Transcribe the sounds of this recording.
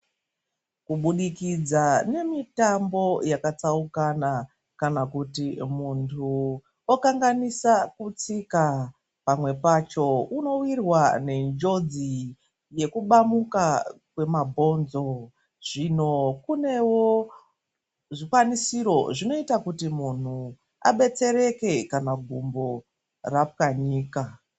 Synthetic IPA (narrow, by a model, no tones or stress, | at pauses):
kuɓuɗikid͡zane̞mitambo̞jakat͡saukana | kanakutimuntʰu | okaŋɡanisakut͡sika | pamwe̞pat͡ʃo̞uno̞wirwane̞nd͡ʒo̞d͡zi | je̞kuɓamukakwe̞mabʱo̞nzo̞ | ʐ̥ino̞kune̞wo | ʐikwanisiɾo̞ʐino̞itakutimun̤u | a̰ɓe̞t͡se̞ɾe̞ke̞kanaɡʱumbo̞ | rap̚kaɲiːka